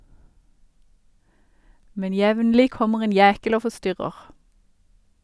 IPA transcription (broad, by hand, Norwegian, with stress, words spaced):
ˈmɛn ˈjɛʋnlɪ ˈkɔməʁ ˈeːn ˈjæːkəl ˈoː fɔˈstʏʁəʁ